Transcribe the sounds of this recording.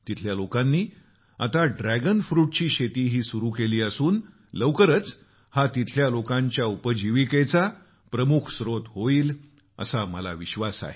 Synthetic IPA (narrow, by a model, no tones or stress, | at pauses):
t̪it̪ʰljalokãnːiː | at̪aɖɾæɡənfɾuːʈ̚t͡ɕiːɕet̪iːɦiːsuɾuːkeliːəsuːn | ləʋkəɾət͡s | hat̪it̪ʰljalokãɲt͡ɕjaupəd͡ʑiʋiket͡sa | pɾəmukʰsɾot̪ɦoiːl | ə̰saməla̰ʋiɕʋasa̰ɦe